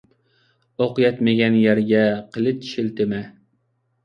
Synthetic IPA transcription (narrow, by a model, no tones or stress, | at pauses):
oqɨjɛt̪mɪɡʲɛnjæɾɡʲɛqʰəlˠɨt̪ʰi̥ʃɪlt̪ɪmɛ